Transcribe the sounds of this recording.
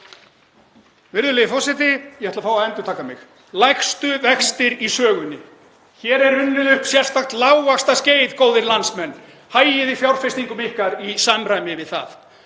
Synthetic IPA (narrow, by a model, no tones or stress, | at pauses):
vɪɾðʏleːðɪfɔsɛt̪̬ɪjɛhɛt̪lafaːwaðɛnt̪ʏɾt̪ʰaːkamɪ̰x | lajxst̪ʏvɛxst̪ɪɾisœːɣʏnːɪ̰ | çɛːɾɛɾʏnːʏðʏhksjɛr̥θaxt̪laːwvaxst̪asceːjðkoːwðɪɾlansmɛnː | haːjɪðɪfjawr̥fɪst̪iŋkʏmɪhkaɾisaːmɾajmɪvɪðθa̰θ